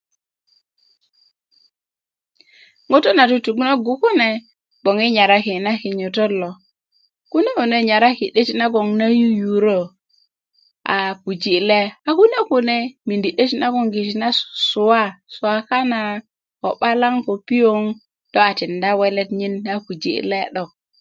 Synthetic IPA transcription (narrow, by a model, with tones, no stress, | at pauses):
ŋo˦to˦na˨tu˦tu˨ɡu˦na˦ɡu˨ku˦ne˦ | bo˨ŋi˦ɲa˨ɾa˦ki˨na˦ki˨ɲu˨to˦lo˨ | ku˦ne˦ku˨ne˦ɲa˨ɾa˦ki˨ɗe˦ti˦na˦ɡo˨ŋna˦ju˦ju˨ɾo˦ | a̰˨ku˨d͡ʒi˨le˦a˨ku˦ne˦ku˨ne˦mi˨ndi˨ɗe˦ti˦na˦ɡo˦˨ŋɡi˨ti˨na˦˨su˨wa˦su˨a˦ka˦na˨ | ko˨ɓa˦la˦ŋko˨pi˦jo˦ŋ | d̥o˦a˨ti˨nda˦we˦le˦tɲi˦na˦ku˨d͡ʒḭ˨le˦ɗo˨k̚